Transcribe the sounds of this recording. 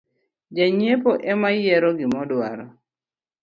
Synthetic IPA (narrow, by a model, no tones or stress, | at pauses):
d͡ʒaɲepoʔɛmajɛɾɔɡɪmɔdwaɾɔ